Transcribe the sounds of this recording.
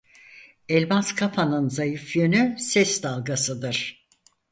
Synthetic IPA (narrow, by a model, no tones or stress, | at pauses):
ɛlʲmaskʰapʰanɯnzajɯfjønysɛsd̪alˠɡasɯd̪ɯɾ̥